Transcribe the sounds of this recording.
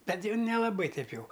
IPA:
ˈbʲɛt ˈjɛʊ nʲɛlˠɐˈbɐɪ ˈtʲɛɪp ˈjɛʊ

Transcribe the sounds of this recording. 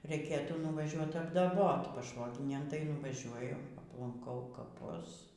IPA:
rʲɛɪˈkʲeːtuː nʊʋɐˈʒʲuɔt ɐbdɐˈboːt pɐˈʃʋoːɡʲɪnʲeːj tɐɪ nʊʋɐˈʒʲuɔjʊ ɐplˠɐŋˈkɐʊ kɐˈpʊs

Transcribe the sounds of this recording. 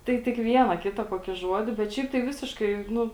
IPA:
ˈtɐɪ tʲɪk ˈʋʲiɛnɐ ˈkʲɪtɐ koːˈkʲiː ˈʒuɔdʲɪ bʲɛt ˈʃʲɛɪp tɐɪ ˈʋʲɪsʲɪʃkɐɪ ˈnʊ

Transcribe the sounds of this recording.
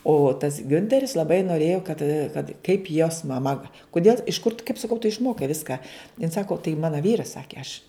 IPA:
oː tɐs ˈɡʲʊnʲtʲɛrʲɪs lˠɐˈbɐɪ noːˈrʲeːjoː kɐt kɐt kɐɪp joːs mɐˈmɐ ʋɐ kʊˈdʲeːlˠ ɪʃ kʊr tʊ kɐɪp sɐˈkɐʊ tʊ ɪʃˈmoːkɐɪ ˈʋʲɪskɑː jɪn ˈsɑːkoː tɐɪ ˈmɑːnɐ ˈʋʲiːrɐs ˈsɑːkʲeː ɐʃ

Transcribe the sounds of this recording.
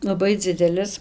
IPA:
lˠɐˈbɐɪ ˈd͡zʲɪdʲɛlʲɪs

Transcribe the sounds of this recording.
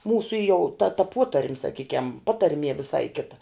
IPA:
ˈmuːsʊ jɛʊ tɐ tɐ ˈpoːtɐrʲmʲ sɐˈkʲiːkʲɛm ˈpɑːtɐrʲmʲiɛ ʋʲɪˈsɐɪ ˈkʲɪtɐ

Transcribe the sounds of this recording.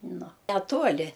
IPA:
ˈnʊ nʲɛˈtuɔlʲɪ

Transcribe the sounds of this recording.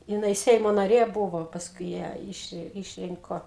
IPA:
jɪˈnɐɪ ˈsʲɛɪmoː nɐˈrʲeː ˈbʊʋoː pɐsˈkʊɪ ˈjæː ˈɪʃ ɪʃʲˈrʲɪŋkoː

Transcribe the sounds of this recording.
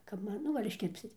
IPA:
kɐp ˈmɐn ˈnʊ ɡɐlʲ ɪʃʲˈkʲɪrʲpʲsʲɪt

